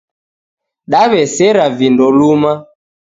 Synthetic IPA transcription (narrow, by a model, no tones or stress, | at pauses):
ɗaβɛsɛɾavindɔluma